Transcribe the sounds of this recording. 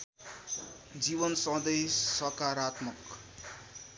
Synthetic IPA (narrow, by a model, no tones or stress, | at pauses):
d͡ziβʌnsʌ̃d̪ejsʌkaɾat̪mʌk